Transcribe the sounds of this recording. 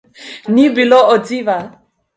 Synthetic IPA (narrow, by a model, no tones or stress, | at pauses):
nibilɔɔd͡ziva